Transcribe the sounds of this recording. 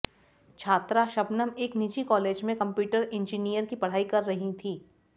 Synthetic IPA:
t͡ʃʰaːt̪ɾaʃɐbnəmeːknid͡ʒikɔːleːd͡ʒmẽkɐ̃mpjuːʈəɾẽnd͡ʒinijəɾkipɐɽ̤aːikɐɾːɐɦit̪ʰiː

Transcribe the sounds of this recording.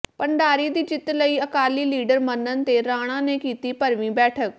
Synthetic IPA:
pəɳɖaːɾiːd̪iːd͡ʒɪt̪ːləiːəkaːliːliːɖəɾmənːənt̪eːɾaːɽ̃ãːneːkiːt̪iːpəɾmĩːbɛːʈʰək̚

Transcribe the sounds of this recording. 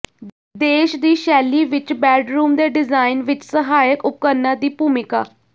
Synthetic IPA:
d̪eɕd̪iːɕæliːʋit͡ɕbæɖɾuːmd̪eɖizajnʋit͡ɕsəɦajəkup̚kəɾnad̪iːpumika

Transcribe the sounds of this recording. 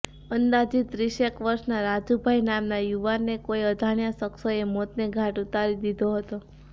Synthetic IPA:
ənd̪ad͡ʒit̪ɾiʃekʋəɾʃnaɾad͡ʒubʱajnamnajuʋanːekoiəd̪ʱaɳjasəksoemot̪neɡʱaʈut̪aɾid̪id̪ʱoɦət̪o

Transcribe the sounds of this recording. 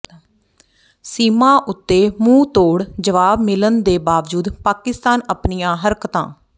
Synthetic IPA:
siːmãːʔʊt̪ːeːmũːt̪oːɽd͡ʒəʋaːbmɪlənd̪eːbaːʋd͡ʒuːd̪paːkɪst̪aːnəpnijãːɦəɾkət̪ã̰ː

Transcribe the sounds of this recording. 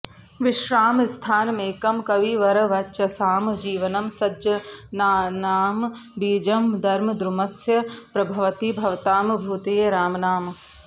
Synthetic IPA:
ʋɪʃɾaːmst̪ʰaːnmẽːkɐmkɐʋiʋɐɾɐʋɐtːʃɐsaːmd͡ʒiːʋɐnɐmsɐd͡ʒɐnaːnaːm | biːd͡ʒɐmd̪ɐɾmɐd̪ɾumɐsjɐpɾɐbʱɐʋɐt̪ibʱɐʋt̪aːmbʱuːt̪eːɾaːmɐnaːm

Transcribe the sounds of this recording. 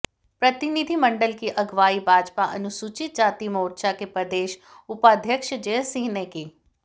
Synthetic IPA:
pɾɐt̪ɪnid̪ʱimɐ̃ɳɖəlkiʔɐɡʋaːibʱaːd͡ʒpaʔɐ̰nʊsuːt͡ʃɪt̪̚d͡ʒaːt̪imoːɾʃakepɾɐd̪eːʃ | ʊpaːd̪ʱjəkʃd͡ʒesĩːneki

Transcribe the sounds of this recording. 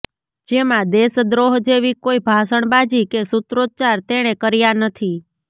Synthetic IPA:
d͡ʒemãd̪esd̪ɾoɦd͡ʒeʋikoibʱasəɳbad͡ʒikesʊt̪ɾot͡ʃaɾt̪eɽ̃ekəɾijanət̪ʰi

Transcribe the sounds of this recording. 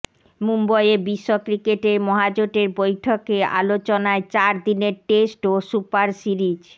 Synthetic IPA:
mumbɔjebiʃːokɾikeʈeɾmɔɦad͡ʑoʈeɾbojʈʰokea̰lot͡ɕonaet͡ɕaɾd̪ineɾʈesʈosupaɾsiɾid͡ʑ

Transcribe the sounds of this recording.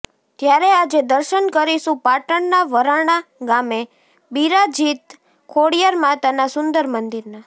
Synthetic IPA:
t̪jaɾead͡ʒed̪əɾʃənkəɾiʃũpaʈəɳnaʋəɾaɳ̃aɡame | biɾad͡ʒit̪ | kʰoɽijəɾmãt̪anasʊnd̪əɾmənd̪iɾna

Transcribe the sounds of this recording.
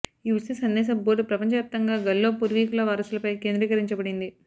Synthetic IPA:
iʋusisɐnd̪ɛːs̬ɐboːʈupɾɐpɐɲt͡ʃɐʋjaːp̚t̪ɐŋɡaːɡɐlːoːpuɾʋiːkulɐʋɐɾɐsulɐpɐjke̞ːnd̪ɾiːkɐɾiɲt͡ʃɐbɐɽind̪i

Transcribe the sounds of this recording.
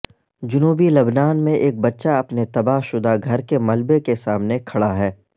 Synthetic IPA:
d͡ʒʊnuːbilɐbnaːnmẽʔeːk̚bɐtːʃaɐpnet̪ɐbaːɦʃʊd̪aɡʱɐɾkemɐlbekesaːmnekʰɐɽaɦɛː

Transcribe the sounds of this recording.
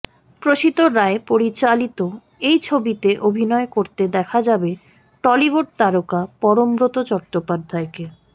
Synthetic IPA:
pɾoʃit̪oɾaepoɾit͡ɕalit̪o | ejt͡ɕʰobit̪eʔobʱinɔekoɾt̪ed̪ɛkʰad͡ʑabe | ʈɔliboɖ̚t̪aɾokapɔɾombɾot̪ot͡ɕɔʈʈɾopad̪ʱːaeke

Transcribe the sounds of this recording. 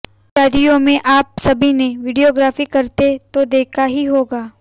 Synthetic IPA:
ʃaːd̪ijõmẽʔaːp̚sɐbʱineʋɪɖijoːɡɾaːfikɐɾt̪et̪od̪eːkʰaɦiɦoːɡaː

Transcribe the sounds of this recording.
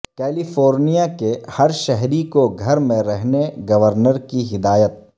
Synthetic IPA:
kɛːlifoːɾnijakehɐɾʃɛɦɾikoɡʱɐɾmẽɾɛɦneɡɐʋəɾnəɾkiɦɪd̪aːjət̪̚

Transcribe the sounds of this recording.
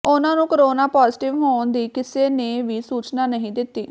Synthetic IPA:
ʊnãːnũːkəɾoːnaːpaːzʈɪʋɦoːnd̪iːkɪseːneːʋiːsuːt͡ʃnaːnəɦĩːd̪ɪt̪ːiː

